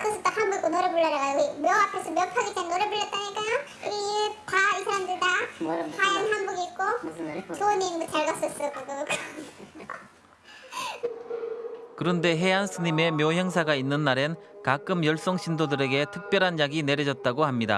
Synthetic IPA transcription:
kʰɯs͈ʰɯt̪͈ahambɯk͈onoɾebuɭːʌɾaɣaɡmjʌapʰesʰʌmjʌpʰaɡik͈ʰenoɾebuɭːʌt̚t͈aɲik͈aj | ipaisʰaɾamdɯɭdapajʌnɦanboɡiːk͈ot͡ɕoniŋbɯt͡ɕaɭɡas͈ʌs͈ʌkɯɡɯk | kɯɾʌnde̞ɦe̞ansʰɯɲime̞mjʌɦjʌŋsʰaɡainːɯnːaɾenkak͈ɯmjʌɭs͈ʌŋɕʰindodɯɾe̞ɡe̞tʰɯk̚p͈jʌɾɦanjaɡine̞ɾjʌd͡ʑʌt̚t͈aɡohamɲida̰

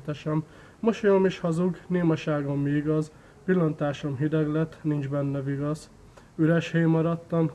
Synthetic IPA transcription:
t̪ɛʃɛmː | oʃojomiʃhɒzuɡneːmɒʃaːɡomːiiɡɒz | pilːɒnt̪aːʃo̞mɦid̪ɛɡlɛt̪ːnind͡ʒbɛnːɛviɡɒz | yɾɛʃhejmɒɾɒt̪ːɒm

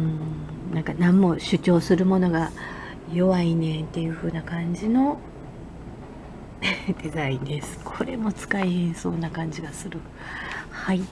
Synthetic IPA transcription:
ɯ̃ | nãŋkanãmːo̞ɕɨt͡ɕo̞ːsɨɾɯ̟mo̞no̞ɡa | jo̞βainẽ̞nt̪ːe̞jɯ̟ɸɯ̟ːnakãɲ̟d͡ʑino̞ | d̪̥e̞zaĩnd̪e̞sɨ̥kʰo̞ɾe̞mo̞t͡sɨ̥kaihẽɰ̃so̞ːnakãɲ̟d͡ʑiɡasɨɾɯ̟ | hai

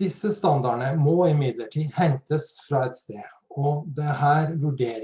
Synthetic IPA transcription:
d̪ɪsːəst̪ɑnd̪ɑɳəmɔɪmɪd̪ləʈʰiːd̪hɛnt̪əsfɾɑːɛt̪st̪eː | ɔd̪ɛhæːɾʋʉɖeːɾ

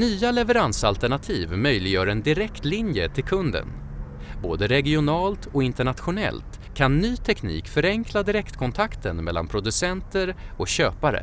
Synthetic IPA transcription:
nyːalɛvəɾansalt̪ɛɳat̪ʰiːvmœjlɪɡjœːɾɛnd̪ɪɾɛkt̪lɪnjət̪ʰɪlkʰɵnd̪ə̰n | boːd̪əɾɛɡɪʊnɑːlt̪ʰɔɪnt̪əɳat̪ɧʊnɛ̰lt̪ | kʰanːyːt̪ʰɛknḭːkfœɾɛŋkʰlad̪ɪɾɛkt̪kʰɔnt̪ʰakt̪ənmɛlːa̰npʰɾʊd̪ɵsɛnt̪əɾɔɕøːpaɾə̰

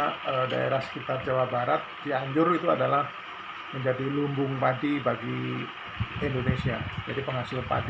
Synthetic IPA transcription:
əda̰ḛɾahsə̥kit̪ar̚d͡ʒawabaɾat̪̚d̥iaɲd͡ʒʊrit̪uadalah | məɲd͡ʒadilumbʊŋpadibaɡi | indonesia̰d͡ʒadipəŋasɪlpa̰d

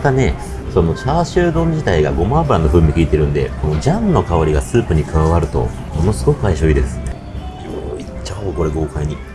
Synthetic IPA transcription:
at̪ane̞ | so̞no̞t͡ɕaːɕɨːd̪õ̞ɲ̟d͡ʑit̪aiɡa̰ɡo̞mãmbɯ̟ɾanːo̞ɸɯ̟̃ːɲ̟ːikʲiːt̪e̞ɾɯ̟̃nd̪e̞̰ko̞nod͡ʑãnno̞kaoɾʲiɡasɨːpɯ̟ɲ̟ikɯ̟βaβaɾɯ̟t̪o̞̰mo̞no̞sɨ̥ɡo̞kɯ̟aiɕoid̪e̞sɨ̥ne | joit͡ɕako̞ɾeɡo̞ːkaiɲ̟i

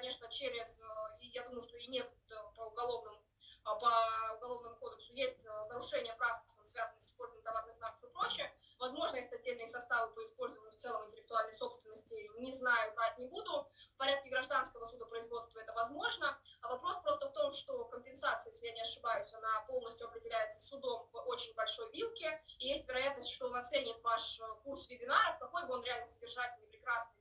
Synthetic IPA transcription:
kɐnʲeʂnət͡ɕeɾʲɪzijad̪uməjʊʂt̪o̞inʲe̞t̪̚pəʊɡɐlˠo̞vnəmʊ | pəʊɡɐlˠo̞vnəmʊko̞d̪əksʊjesʲtʲnəɾʊʂɛnʲɪjəpɾafəmsvʲazənəsɪ̥spo̞lʲzəvənʲɪmt̪ɐvarnɨxzak̪ə̥fɨpɾo̞t͡ɕɪjə | vɐzmo̞ʐnəjesʲt̪ʲɐd̚ʲːelʲnɨjəsɐst̪avɨpəɪspo̞lʲzəvənʲɲʲʊft̪sɛlˠəmɪnʲtʲɪlʲɪk̚t̪ʊalʲnəjso̞pst̪vʲɪnːəsʲtʲɪnʲɪznajʊɾat̚ʲnʲɪbud̪ʊfpɐɾʲat̪kʲɪɡɾɐʐd̪anskəvəsud̪əpɾəɪzvo̞t̪st̪vəɛt̪əvɐzmo̞ʐnəɐvɐpɾo̞spɾo̞st̪əft̪o̞mʂt̪o̞kəmʲpʲɪnsat̪sɨjeslʲɪjanʲɪɐʂɨbajʊsʲɐnapo̞lˠnəsʲtʲjʊɐpɾʲɪdʲɪlʲæjɪt̪sə̥sʊd̪o̞mvot͡ɕɪnʲbɐlʲʂo̞jvʲilˠkʲɪːjesʲtʲvʲɪɾɐjat̪nəsʲtʲʂt̪oonɐt̪senʲɪt̪vaʂkursvʲɪbʲɪnaɾəfkɐko̞jbɨo̞nɾʲɪalʲnəsədʲɪrʐatʲɪlʲnɪjpɾʲɪkɾasnɨj

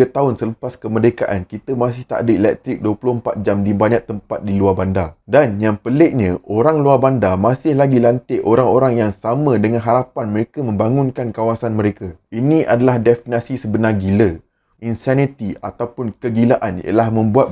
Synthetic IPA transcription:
at̪aʊnsələpaskəmərdeka̰ʔankit̪əmas̬ɪht̪a̰ʔdəelɛk̚t̪ɾɪk̚duəpulʊəmpat̪̚d͡ʒamdibaɲak̚t̪əmpat̪̚diluarbandadanjaŋpəleʔɲə̃ʔoɾaŋluarbandamasɪhlaɡilant̪ɪʔoɾaŋoɾaŋjaŋsamə̃dəŋãnɦaɾapanmə̃ɾekamə̃mbaŋũnkankawasanmə̃ɾekainĩʔa̰dalahdɛfinasisəbənaɡilə | insanit̪iat̪awpʊnkəɡilaʔanjḭə̰lahmə̃mbuat̪̚

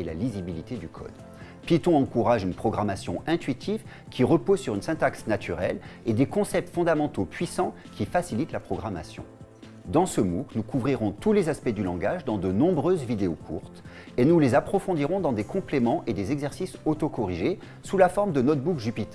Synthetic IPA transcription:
ela̰lizibilit̪ed̪ykʰɔ̰d̪ | pit̪ɔ̃ɑ̃kuʁaʒynpχɔɡʁamasjɔ̃ɛ̃t̪ɥit̪ʰiv | kʲiʁəpozsyʁynsɛ̃t̪aksnat̪ʰyʁɛled̪ekɔ̃sɛp̚t̪fɔ̃d̪amɑ̃t̪opɥisɑ̃ | kʲifasilit̪lapχɔɡʁama̰sjɔ̰̃ | d̪ɑ̃səmuknukʰuvʁiʁɔ̃t̪ulezaspɛd̪ylɑ̃ɡaʒd̪ɑ̃d̪ənɔ̃bʁøzvid̪eokʰṵʁt̪ | enulezapχɔfɔ̃d̪iʁɔ̃d̪ɑ̃d̪ekɔ̃plemɑ̃ʔed̪ezɛɡzɛʁsisot̪okɔʁiʒe | sulafɔʁmd̪ənɔt̪bukʒypit̪

